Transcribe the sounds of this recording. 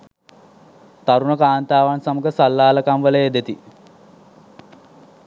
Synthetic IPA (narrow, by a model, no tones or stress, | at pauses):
t̪aɾunəkaːnt̪aːʋansaməkəsalːaːləkamʋələed̪et̪i